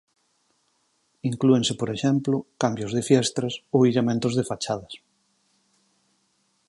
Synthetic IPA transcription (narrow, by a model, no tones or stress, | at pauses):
iŋklueŋsepoɾeʃɛmplokambjozðefjɛst̪ɾasoilemẽnt̪ʊzðefat͡ʃaðɐs